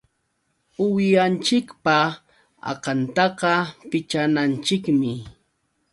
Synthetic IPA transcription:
ʊwɪjant͡ʃɪkpa | ɑ̰qɑnt̪ɑqɑpɪt͡ʃanant͡ʃɪkmɪ

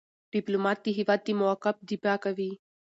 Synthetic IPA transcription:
ɖ̥iplomat̪ːiɦiʋaːd̪imʊakːɐf̚d̪ipakɐʋiː

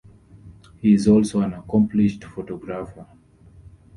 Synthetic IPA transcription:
hiɪzɔlsoãnakʰɔ̃mpʰliʃtfɔtɔɡɹafə

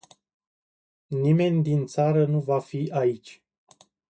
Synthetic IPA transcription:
nime̞nʲd̪int̪saɾənuvafiʔait͡ʃʲ

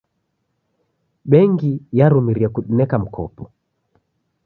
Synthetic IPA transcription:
ɓɛŋɡijaɾumiɾiakuɗinɛkam̩kʰɔ̰pɔ

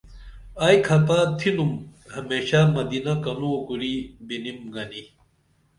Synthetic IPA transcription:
ɐjkʰɐt̪at̪ʰinumhɐmeːɕamɐd̪inɐkɐnukuɾibinimɡɐni

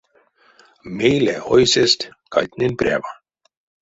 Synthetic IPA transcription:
mejlḛʔojsest̪kɑ̰jt̪nenprʲa̰vɑ

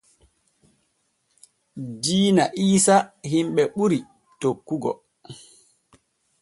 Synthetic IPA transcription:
diːnaʔiːsahimɓɛɓuɾi | tokːuɡɔ̰

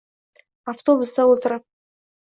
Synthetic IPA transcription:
aft̪o̞bust̪ɑwolˠt̪əɾəp̚

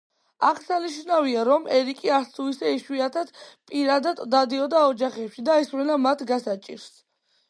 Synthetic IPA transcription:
akʰsaniʃnaviaɾɔmɛɾikʼiasʰuisɛiʃwiat̪ʰad̪̥pʼiɾad̪ad̪ːad̪iɔd̪aɔd͡ʒaχɛpʃid̪aɛsvlɛnamat̪ʰɡasat͡ʃʼḭɾs

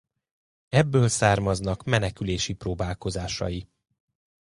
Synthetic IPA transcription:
ɛbːøːlsaːrmɒznɒkmɛnɛkyleːʃiproːbaːlko̞zaːʃɒ̰ji

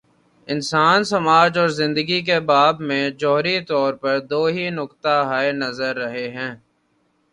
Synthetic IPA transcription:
ɪnsaːnsɐmaːd͡ʒɔːɾzɪ̃nd̪əɡik̬ebaːbmẽd͡ʒɔːɦɾit̪ɔːɾpɐɾd̪oːɦinʊkt̪aɦaenɐzəɾːɐɦeɦɛ̃ː

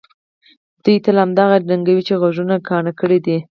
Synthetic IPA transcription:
d̪̥ujt̪əlhamd̪ɑɣanaŋɡawit͡ʃeɣaʒunaɡɑɳakəɽed̪i

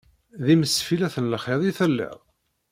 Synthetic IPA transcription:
ðiməsfilæθənlχeðˤiθəlːɪ̰ðˤ

